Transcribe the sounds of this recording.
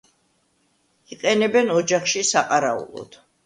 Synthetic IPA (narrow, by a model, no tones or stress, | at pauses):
iqʼɛnɛbɛnɔd͡ʒaχʃisaqʼaɾaṵlˠɔ̰d̪̥